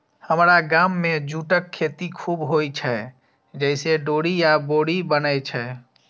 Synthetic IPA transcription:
həmɾaɡaːmːẽd͡ʒuːʈəkʰːeːt̪ikʰuːbɦoit͡ʃʰɛ | d͡ʒəɪseɖoːɽijaboːɽibənəjt͡ʃʰɛ

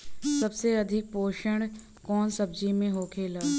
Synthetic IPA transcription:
sɐbseɐd̪ʱɪk̚poːʃəɳ̃ | kɔːnsɐb̚d͡ʒimẽɦoːkʰeːlaː

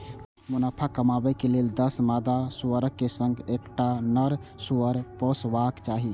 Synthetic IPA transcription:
munapʰakəmabɛkeleld̪əsmad̪asuəɾəkːesə̃ŋɡekʈanəɾsuəɾpɔsʋakt͡ʃaɦi

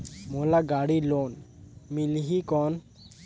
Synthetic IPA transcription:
mɔlaɡaɽilonmilɦikɔn

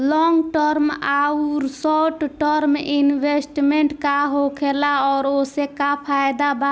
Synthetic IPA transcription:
lɔŋɡʈəɾmauɾsɔʈʈəɾminbesʈmeɳʈkaɦokʰelaɔːɾosekapʰajd̪aba

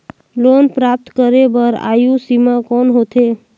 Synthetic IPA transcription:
lonpɾap̚t̪kəɾebəɾa̰jũsimãkɔnɦot̪ʰe

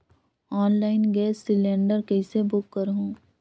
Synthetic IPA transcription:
ɔːnlaːɪnɡɛːsːɪlẽːɳɖəɾkɛɪsebʊkːəɾɦũː

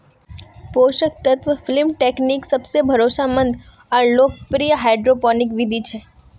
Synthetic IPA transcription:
poʃək̚t̪ət̪ʰʋəflimʈekniksəbsebʱəɾosamənd̪ | əɾlok̚pɾijəɦajɖɾopɔnikʋid̪ʱit͡ʃʰe

